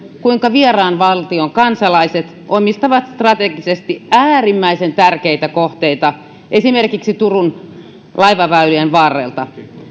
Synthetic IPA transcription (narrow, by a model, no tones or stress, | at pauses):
kuiŋkɑʋierɑːnʋɑlt̪ioŋkɑnsɑlɑiset̪ | ʔomist̪ɑʋɑt̪st̪rɑt̪eɡisest̪iæːrimːæisent̪ærkeit̪ækoht̪eit̪ɑ | ʔesimerkiksit̪urun | lɑiʋɑʋæylyenʋɑːrːḛˑlt̪ɑ